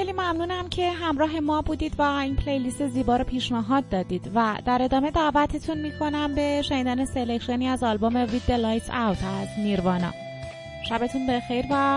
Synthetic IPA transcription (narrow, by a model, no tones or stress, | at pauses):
xeliːmæmnuːnæmcʰe̞ɦæmɾɒːɦe̞mɒːbuːd̪iːd̪væiːnpʰlejlist̪e̞ziːbɒːɾopʰiːʃnæɦɒːd̪̚ːɒːd̪iːd̪̥væd̪̥æɾe̞d̪ɒːme̞d̪æʔvæt̪ʰet̪ʰunmiːkʰo̞næmbe̞ʃeniːd̪æːne̞se̞lecʰʃeniːæzɒlbome̞vid̪ːelɒːjt̪ʰæwt̪ʰæzniːɾvɒːnɒ̰ː | ʃæbe̞t̪ʰunbe̞xe̞jɾvæ